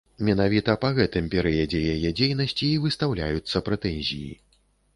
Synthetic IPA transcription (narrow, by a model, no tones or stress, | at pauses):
mʲɛnavʲit̪ɐpaɣɛt̪ɨmpʲɛɾɐjɛd͡zʲɛjajɛd͡zʲejnɐsʲt͡sʲiːvɨst̪awlʲa̰jut̪sːɐpɾɛt̪ɛnʲzʲḭjḭ